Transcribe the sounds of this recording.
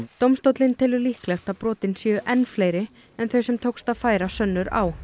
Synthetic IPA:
t̪owmst̪owt̪lɪnt̪ʰɪlʏlihklɛxt̪aðpɾɔːt̪ɪnsjɛːʏʔɛnːflejɾɪ | ɛnθœɥsɛmt̪ʰowkst̪aðfaːjɾasœnːʏɾa̰w

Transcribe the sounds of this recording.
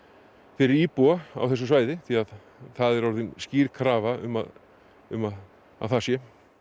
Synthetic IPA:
fɪɾɪɾiːpuaa̰wθɛs̬ːʏsvaːjðɪθiað | θaðɛɾɔɾðɪnsciːɾkʰɾaːvaʏ̰ma̰ð | ʏmað | a̰θasjɛ

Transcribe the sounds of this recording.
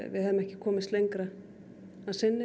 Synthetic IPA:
vɪ̰ðɦɛvmɛhcɪkʰɔːmɪst̪lejŋkɾa | aðsɪnːɪ

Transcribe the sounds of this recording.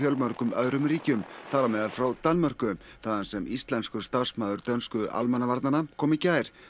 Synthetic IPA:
fjœlmœr̥kʏmœðɾʏmriːcʏmθaɾamɛːðalfɾawt̪anːmœr̥kʏθaðansɛmist̪lɛnskʏst̪asmaːðʏɾt̪œnskʏʔa̰lmɛnːavaɾt̪nanakʰɔːmicaːjɾ̥

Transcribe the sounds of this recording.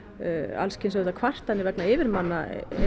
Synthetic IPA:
a̰lscʰɪnsœt̪akʰvar̥t̪anːɪɾvɛknaɪːvɪɾmanːa̰

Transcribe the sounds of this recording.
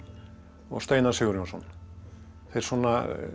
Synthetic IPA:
ɔ̰ɣst̪ejnasɪɣɾjɔnsɔn | θejɾ̥sɔnːa

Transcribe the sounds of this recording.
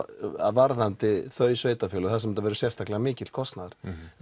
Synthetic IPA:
a̰vaɾðant̪ɪθœːɥsveːjt̪afjʏːlɔθasɛmɛnt̪avɛːɾʏsjɛfst̪ʰaklɪɣamɪːcɪl̥kʰɔst̪naðɪɾ̥

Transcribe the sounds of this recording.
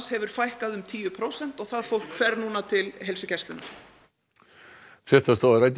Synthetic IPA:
shɛvʏɾ̥fajhkaðʏmt̪ʰiːʏpʰɾowsɛn̥t̪ɔɣθaðfowl̥kfɛɾnuːnat̪ʰɪlɦelsʏcɛst̪lʏnːa̰ɾ̥ | fɪ̥t̪ast̪oːaɾajt̪

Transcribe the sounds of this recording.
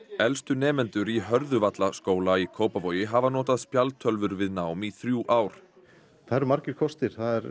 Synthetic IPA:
ɛlst̪ʏnɛːmɛnt̪ʏɾiɦœɾðʏvat̪laskoːwlaikʰoːwpavoːjɪɦavanɔːt̪aðspjalt̪ʰœlvʏɾvɪðnaːwmiθɾjuːʔaːwɾ̥ | θʰaɛɾmaɾcɪɾ̥kʰɔst̪ɪɾ̥θaðɛɾ

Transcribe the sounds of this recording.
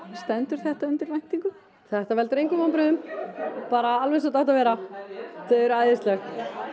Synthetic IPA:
st̪ɛnt̪ʏɾ̥θɛht̪aʏnt̪ɪɾvajht̪iŋkʏ | θɛht̪avɛlt̪ʏɾejŋkʏmanpɾʏʏmpaːɾaalvɛsat̪aht̪avɛːɾat̪ʰɛðɛɾʏaːjðɪst̪lɛxt̪

